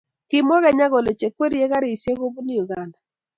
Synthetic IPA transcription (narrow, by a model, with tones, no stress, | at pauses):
kɪ˦mɔ˦ɣɛ˦ɲa˦ɣo˨le˨t͡ʃe˨kwe˦ɾije˦ɣa˦ɾe˨i˨sje˦ɣo˦bu˦nɪ˦u˨ɣa˨nda˨